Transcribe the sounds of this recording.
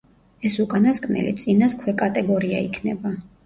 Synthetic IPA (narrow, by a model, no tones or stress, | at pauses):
ɛsukʼanaskʼnɛ̰lḭt̪sʼinaskʰwɛkʼat̪ʼɛɡɔɾia̰ikʰnɛba